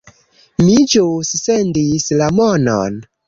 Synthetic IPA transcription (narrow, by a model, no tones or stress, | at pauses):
mid͡ʒussendislamono̰n